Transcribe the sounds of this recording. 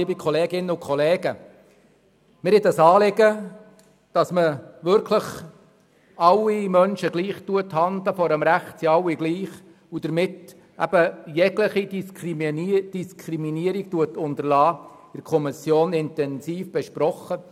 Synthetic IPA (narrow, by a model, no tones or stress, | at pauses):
ɪbikʰɔleːɡɪnːəʊkχɔleːɡə | mɪɾhɪd̪əsɑːlɪɡə | d̥ɑsməʋʏɾkʰləχ | ɑlːimœnʃəɡliːχtuəthɑnd̪ləfɔɾəmɾæχtsiɑwiɡliːχ | ud̥̪əɾmɪt | æ̰b̥əjɛɡləχi | d̥iskʰɾiminiəɾik̚tuətʊntəɾlɑːɪɾkʰɔmɪsjoːnɪntɛnsiːfb̥ɛʃpɾɔχːə